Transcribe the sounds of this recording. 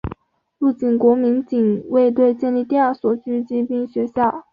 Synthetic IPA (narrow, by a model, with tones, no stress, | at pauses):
lu˥˩t͡ɕi˨˩nkwɔ˧˥mi˧˥nt͡ɕi˨˩ŋwe˥˧ɪt̪̬we˥˧ɪt͡ɕjɛ˥˧nli˥˧t̪i˥˧a˞˥˩swɔ˨˩t͡ɕy˥t͡ɕi˥pi˥ŋɕɥɛ˧˥ɕjɑ˥˩ʊ